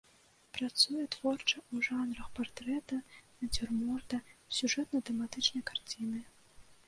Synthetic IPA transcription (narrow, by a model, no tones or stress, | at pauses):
pɾat̪sujɛt̪v̥ɔrt͡ʂɐuʐanrɐxpart̪ɾɛt̪ɐnɐd͡zʲɛrmɔrd̪ɐsʲuʐɛt̪nɐt̪ɛmat̪ɨt͡ʂnɐjkart͡sʲinɨ